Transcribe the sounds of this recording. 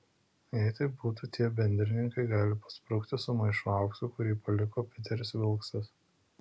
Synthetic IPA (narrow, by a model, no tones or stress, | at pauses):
ɛɪt̪ɐɪbuːt̪ut̪ʲiɛbʲɛnʲd̪ʲɾʲɪnʲɪŋkɐɪɡɑːlʲɪpɐ̥spɾɔʊkt̪ʲɪsʊmɐɪʃuɑˑʊksʊkʊɾʲiːpɐlʲɪkoːpʲɪt̪ʲɛɾʲɪsʋʲɪlˠksɐs